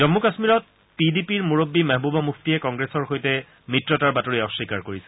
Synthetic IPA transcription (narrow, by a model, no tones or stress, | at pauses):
zɔmːukasmiɹɔt̚ | pidipiɹmuɹobːimaɦbubɔmukʰtiɛkɔŋɡɹesɔɹxojtɛ | mɹitɹɔtaɹbatoɹiɔʃikaɹkoɹisɛ̥